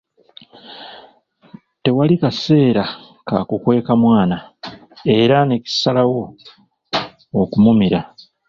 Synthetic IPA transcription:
te̞walikase̞ːɾa | kakukwe̞ːkamwaːna | e̞ɾane̞ci̥salawo̞ | kumumiɾa

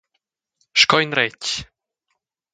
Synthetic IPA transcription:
ʃkɔjnɾɛc

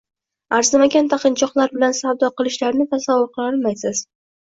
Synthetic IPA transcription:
aɾzɪmaɡʲant̪ʰaqʰɨnt͡ʃʰɒqlˠaɾbɪlansawd̪ɒqɨlˠɪʃlaɾnɪt̪ʰasavːʊɾqʰɨɒlˠmajsɪz̥

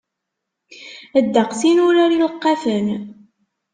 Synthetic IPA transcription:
əd̪ːəqsinʊɾaɾiləqːafən

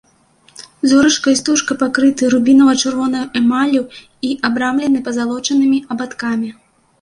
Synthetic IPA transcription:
zuɾɨʂkɐjst̪uʂkɐpakɾɨt̪ɨɾubʲinɐvɐt͡ʂɨrvɔnɐjɐʔɛmalʲu | iʔabɾamlʲɛnɨpɐzalˠɔt͡ʂɐnɨmʲiɐbat̪kamʲi

